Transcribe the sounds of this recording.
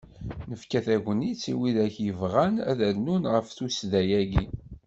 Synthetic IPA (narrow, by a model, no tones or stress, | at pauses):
nəfkæθæʝənit͡sːiwiðæçjəvʁænæ̰ðænunʁəfθusðæjæɡi